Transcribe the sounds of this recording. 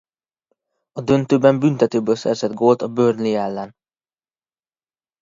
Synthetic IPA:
ɒd̪ø̞nt̪øːbɛmbynt̪ɛt̪øːbøːlsɛ̰rzɛd̪ɡoːlt̪ɒbørnliɛlːɛn

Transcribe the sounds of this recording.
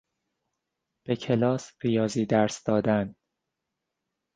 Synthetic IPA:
b̥e̞cʰe̞lɒːsɾijɒːziːd̪æɾsd̪̥ɒːd̪æn

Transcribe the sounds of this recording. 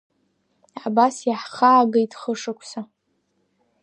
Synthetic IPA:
abasjaħχaːɡajtʰʼχəʂɨkʷʰsa

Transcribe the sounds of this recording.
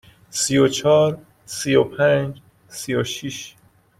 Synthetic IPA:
sijot͡ʃʰɒːɾ | sijopʰænd͡ʒ | sijoʃiʃ

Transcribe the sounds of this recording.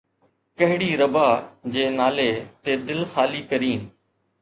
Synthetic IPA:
kɐɦɪɽiːɾəbaːd͡ʑeːnaːleːt̪eːd̪ɪlxaːliːkəɾiːnɪ

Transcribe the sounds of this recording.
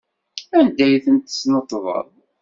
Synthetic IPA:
ænd̪æjθənt̪ə̥snət̪ˤːvə̰ðˤ

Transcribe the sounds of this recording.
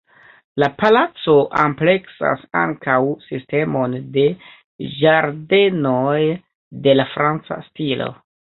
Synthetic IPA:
lapalat͡so̞ʔample̞ksa̰sa̰ŋkawsiste̞mo̞nde̞ | d͡ʒaɾde̞noj | de̞lafɾant͡sa̰stilo̞̰

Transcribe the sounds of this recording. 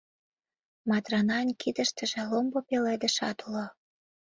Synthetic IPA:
mɑt̪rɑnɑnʲkʰid̪ə̆ʃt̪ə̆ʒĕlombopeled̪ə̆ʃɑt̪ulo

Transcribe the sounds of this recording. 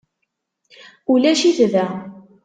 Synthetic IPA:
ulæʃiθðæ

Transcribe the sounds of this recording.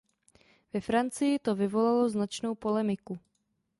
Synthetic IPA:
vɛfɾant͡sɪjɪt̪o̞vɪvo̞lalo̞znat͡ʃno̞wpo̞lɛmɪku

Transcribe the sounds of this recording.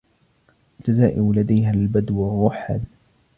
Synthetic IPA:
d͡ʒ̪azaːʔɪwlad̪ajɦalbad̪warˤːʊħa̰d

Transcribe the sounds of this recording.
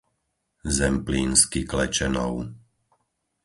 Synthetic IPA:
zɛmpliːnskiklɛt͡ʃɛnɔʊ

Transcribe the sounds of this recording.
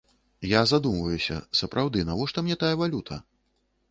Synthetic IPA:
jazad̪umvɐjusʲɐ̰sɐpɾʔawd̪ɨnavɔʂt̪ɔmnʲɛt̪ajɐvalʲut̪ʰɐ

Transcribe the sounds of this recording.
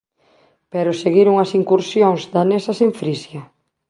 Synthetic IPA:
peɾʊseɣiɾuŋɐsiŋkuɾsjoŋzðanesɐseɱfɾisjɐ

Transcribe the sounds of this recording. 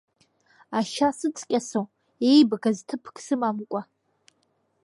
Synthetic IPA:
aʃasɨt͡sʼkʲʼasow | ejbɨɡaztʰɨpʰkʰʼsɨmamkʷʼa

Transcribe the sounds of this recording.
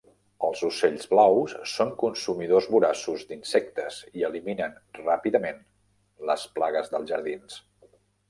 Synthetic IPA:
əlˠzuseʎzβlawsːoŋkunsumiðozβuɾasuzd̪insɛk̚t̪əziəliminənrapiðəmen | ləsplaɣəzðəlˠʒəɾð̞ins

